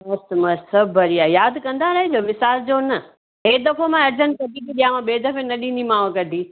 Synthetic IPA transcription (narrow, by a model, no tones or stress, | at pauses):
mɐsmɐssɐbʱəɾiaːjaːd̪kɐ̃nd̪aɾɐɦed͡ʑoːʋɪsaːld͡ʑoːnɐ | ɦeːd̪ɐkʰomãɐɾd͡ʑənkɐʈikiɗ̪ijãmãɓeːd̪ʱɐfenɐɗĩnd̪imãːʋkɐʈi